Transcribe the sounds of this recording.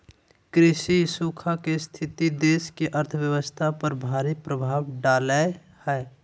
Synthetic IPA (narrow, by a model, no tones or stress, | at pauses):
kɾɪsisuːkʰakest̪ʰɪt̪id̪eːskeʔəɾt̪ʰəwjəwəst̪ʰapəɾbʱaːɾipɾəbʱaːwɖaːle | hɛː